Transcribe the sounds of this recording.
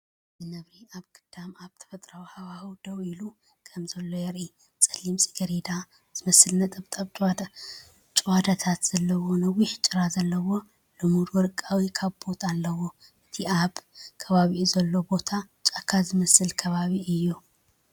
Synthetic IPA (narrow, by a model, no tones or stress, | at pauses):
zɨnɐβɾiaβɡɨd̪̥amaβt̪ʰɐ̥fɐt̪ʼɾawhawahuwd̪̥ɐwilu | kʰɐmzɐlːo̞jɐɾʔi | t͡sʼɐlimsʼi̥ɡɐɾed̪a | z̥ɨmɐsɨlnɐt̪ʼɐβt̪ʼɐβʼ | t͡ʃʼwad̪at̪ʰat̪z̥ɐlːɐwonɐwiħt͡ʃʼɨɾazɐlːɐwo̞ | lɨmuɾwɔɾɨkʼːawikʰaβbo̞t̪ʰalːɐwo | ʔɨt̪ʰiaβkʰɐβaβiʔuzɐlːo̞bo̞t̪ʰa | t͡ʃʼakʰːazɨmɐsɨlkʰɐβaβiʔɨjːu